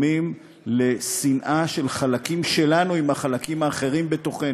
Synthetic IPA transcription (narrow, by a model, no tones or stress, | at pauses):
mim | le̞sinʔaʃe̞lχalakimʃe̞lanuimaχalakimaːχe̞ʁimbe̞t̪o̞χen